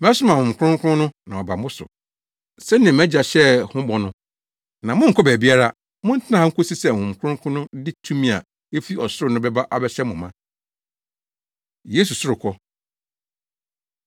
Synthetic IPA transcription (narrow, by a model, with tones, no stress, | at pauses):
m˦ɛ˦sʊ˦mã˨hʊ̃˨m̩˨kʷʰʊ̃˦ŋ˦kʰʊ˦ʊ̃˦nʊ̃˦nã˨ɔ˨ba˨mʊ̃˦sʊ̰˨ | sɛ˦nɪ̃˨ɛ̃˨mɛ̃˦d͡ʑa˨ɕɛ˦hʊ̃˦bɔ˨nʊ̃˦ | nã˨mʊ̃˦ŋ̩˨kʰɔ˦bæ˨bi˦a˦ɾa˦ | mʊ̃˦n̩˦tʰɪ˦nã˦a˨ŋ̩˦kʰo˦si˦sɛ˦˨hʊ̃˨m̩˨kʰʊ˦ʊ̃˦kʰʊ̃˦nʊ̃˦dɪ˦tʰũ˦mĩ˦a˨ | e˦fi˦ɔ˨sʊ˦ɾʊ˨nʊ̃˦bɛ˦ba˦ʔa˨bɛ˦ɕɛ˦mʊ̃˨mã˦ | jeː˨˦s̬u˨sʊ˦ɾʊ˨kʰɔ˦